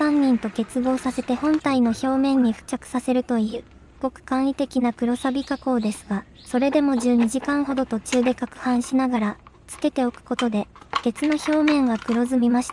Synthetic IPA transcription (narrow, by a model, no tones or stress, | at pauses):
ãɲ̟ːĩnt̪o̞ke̞t͡sɨbo̞ːsase̞t̪e̞hõ̞nt̪aino̞ço̞ːmẽ̞ɲ̟ːiɸɯ̟̥t͡ɕakɯ̟̥sase̞ɾɯ̟t̪o̞iɯ̟ː | ɯko̞kɯ̟̥kãɰ̃ɾʲit̪e̞kʲinakɯ̟ɾo̞sabʲikako̞ːd̪e̞sɨɡa | so̞ɾe̞d̪e̞mo̞ʑɨːɲ̟iʑikãɰ̃ɦo̞d̪o̞t̪o̞t͡ɕɨːd̪e̞kakɯ̟̥hãɰ̃ɕinaɡaɾa | t͡sɨ̥ke̞t̪e̞o̞kɯ̟̥ko̞t̪o̞d̪e̞ɡ̥e̞t͡sɨno̞ço̞ːmẽ̞ŋɡakɯ̟ɾo̞zɨmʲimaɕi̥t̪a